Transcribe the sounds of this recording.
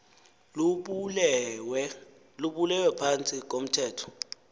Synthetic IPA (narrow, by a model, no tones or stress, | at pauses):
luɓulɛwɛpʰant͡sʼik̬om̩tʰɛːtʰɔ̥